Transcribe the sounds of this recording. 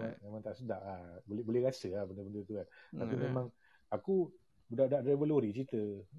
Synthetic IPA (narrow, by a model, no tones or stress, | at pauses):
amemãŋt̪aʔsədaʔlahbolɛhbolɛhɾasəlahbənəbəndərt̪uant̪apimẽmãŋ | aku | budaʔdaʔebəloɾit͡ʃit̪ə